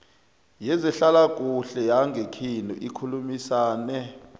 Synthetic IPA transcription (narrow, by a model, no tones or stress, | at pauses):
jɛzɛɬalakʼuɬɛjaŋɡʱekʰinṵʔikʰulumisaːnɛ